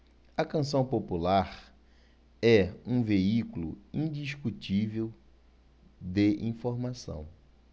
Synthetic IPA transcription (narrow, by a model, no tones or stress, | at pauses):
ɐkɐ̃sɐ̃w̃populaɾ | ɛũveikulʊ̰ĩd̪iʃkutivew | d̪eʔḭ̃foɾmasɐ̰̃w̃